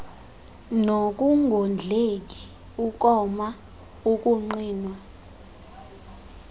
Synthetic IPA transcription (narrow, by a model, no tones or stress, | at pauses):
nok̬ʼuŋʱond͡ɮʱek̬i̥ | uk̬ʼɔma | uk̬ʼuŋ͡ǀiːnwa